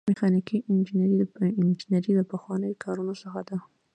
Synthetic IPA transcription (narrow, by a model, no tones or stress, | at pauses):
mɪxɑnikiʔɪnd͡ʒinɾiɪnd͡ʒɪnaɾiləpəxwɑnəjokʰɑɾunosəxad̪a